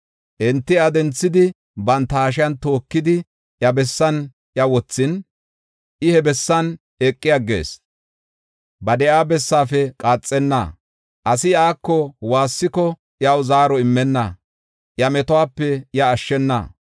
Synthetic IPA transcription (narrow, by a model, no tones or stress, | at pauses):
ʔɛnt̪ːɪɐd̪ɛnt͡sːɪd̪ɪ | bɐnt̪ːɐːʃ̬ɪjɐnt̪o̞ːkːɪd̪ɪ | ʔjɐbɛsːɐn | ʔjɐwɔt͡sːɪn | ʔɪhɛbɛsːɐn | ekʼːɪjɐɡḛːs | bɐd̪ɛʔaːbɛsːaːfɛkʼaːt͡sʼːɛnːɐ̰ | ʔɐsɪaːkːɔwaːsːɪkɔ | ʔɪjɐwzaːɾɔɪmːɛnːɐ̰ | ʔjɐmɛt̪ɔwaːpːɛɪjɐːʃːɛnːɐ̰